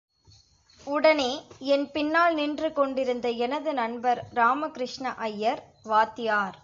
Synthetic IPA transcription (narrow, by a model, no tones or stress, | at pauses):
ʊɽɐneːɛnpɪnːaːlnɪndrɯkɔɳɖɪɾɯnd̪ɐɛnɐðɯnɐnbɐɾɾaːmɐkɪɾɪʂɳɐʔɐjːɐɾ | ʋaːt̪ːɪjaːɾ